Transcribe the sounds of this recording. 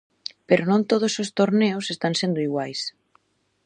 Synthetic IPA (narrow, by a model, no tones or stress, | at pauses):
peɾonõnt̪oð̞osost̪oɾneʊsest̪aŋsend̪ʊiɣwajs